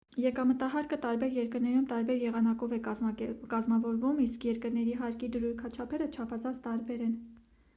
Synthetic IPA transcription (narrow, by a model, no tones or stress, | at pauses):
jɛkɑmət̪ɑɦɑɾkət̪ɑɾbɛɾjɛɾkəɾnɛɾumt̪ɑɾbɛɾjɛʁɑnɑkɔvɛkɑzmɑvɔɾvumiskʰjɛɾkəɾnɛɾiɦɑɾkid̪əɾuɾkʰɑt͡ʃʰɑpʰɛɾət͡ʃʰɑpʰɑzɑnt͡sʰt̪ɑɾbɛɾɛn